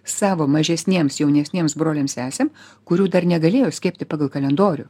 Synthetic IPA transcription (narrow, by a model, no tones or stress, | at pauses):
sɑːʋoːmɐʒʲɛsʲnʲeɛmsjɛʊnʲɛsʲnʲeːmsbɾoːlʲeːmsæːsʲem | kʊɾʲuːd̪ɐɾnʲɛɡɐlʲeːjoːsʲkʲeːpʲt̪ʲɪpɑːɡɐlˠkɐlʲɛnd̪oːɾʲʊ